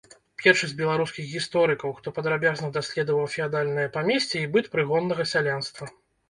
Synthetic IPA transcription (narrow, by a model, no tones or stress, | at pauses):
pʲɛrʂɐsʲd͡zʲbʲɛlˠaɾuskʲixɣʲist̪ɔɾɨkɐwxt̪ɔpɐd̪ɾabʲaznɐd̪asʲlʲɛd̪ɐvɐwfʲiad̪alʲnɨjɐpamʲɛsʲt͡sʲɛibɨt̪pɾɨɣɔnːɐɣɐsʲalʲanst̪vɐ